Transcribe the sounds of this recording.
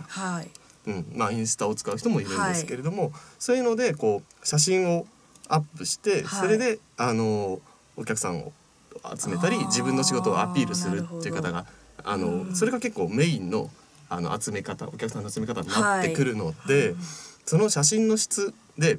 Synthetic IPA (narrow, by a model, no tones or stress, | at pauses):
ha | ɯ̟̃ɴmaĩɰ̃sɨ̥t̪aot͡sɨ̥kaɯ̟çi̥t̪o̞mo̞iɾɯ̟̃nd̪esɨ̥ke̞ɾe̞d̪o̞mo̞so̞ːjɯno̞d̪e̞ko̞ːɕaɕ̬ĩɰ̃o | apːɯ̟ɕi̥t̪e̞so̞ɾe̞d̪e̞ano̞ | okʲakɯ̟sãɰ̃o̰ | a̰t͡sɨme̞t̪aɾʲid͡ʑibɯ̟̃nːo̞ɕiɡo̞t̪o̞̰ːa̰pʲiːɾɯsɨɾɯ̟t̪ːe̞iɯ̟kat̪aɡaa̰no̞so̞ɾe̞ɡake̞kːo̞ːme̞ĩnːo̞̰ | ano̞̰a̰t͡sɨme̞kat̪a̰o̞kʲakɯ̟sãnːoat͡sɨme̞kat̪aɲ̟inaːe̞kɯ̟ɾɯ̟no̞d̪e̞so̞no̞ɕaɕ̬ĩnːo̞ɕi̥t͡sɨ | d̪e̞